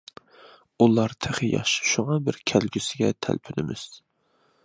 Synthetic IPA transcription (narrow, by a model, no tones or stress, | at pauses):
ulˠɑɾt̪ʰɪχɪjɑ̰χʃʃuŋɑbɪɾkʲʰælɡʲysɪɡʲɛt̪ʰæ̰lpʰynɪmɪ̰z̥